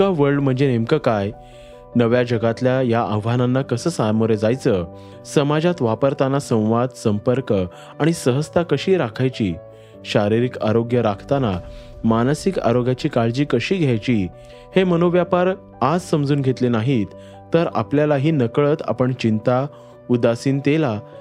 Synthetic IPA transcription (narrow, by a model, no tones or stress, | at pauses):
kaʋəɭɖm̤əɳd͡zenemkəkaj | nəʋjad͡ʑəɡat̪ljajaʔəʋananːakəsəːsamoɾed͡zajt͡sə | səmad͡ʑat̪ʋapəɾt̪anasə̃w̃ʋad̪səmpəɾkə | aɽ̃isəɦəst̪akəɕiːɾakʰajt͡ɕiː | ɕaɾiɾikaɾoɡjəɾakʰt̪anamanəsika̰ɾoɡjat͡ɕiːkaɭd͡ʑiːkəɕiːɡʱjajt͡ɕiː | hemənoʋjapaɾ | ad͡zsəmd͡zuːnɡʱet̪lenaɦit̪ | t̪ːəɾa̰pljalaɦiːnəkɭət̪a̰pəɳt͡ɕint̪a | ud̪asiːnt̪ela